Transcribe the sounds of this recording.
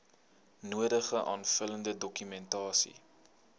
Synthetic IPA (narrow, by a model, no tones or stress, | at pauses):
nuədəχəʔɑːnfələndədɔkymɛntɑːsḭ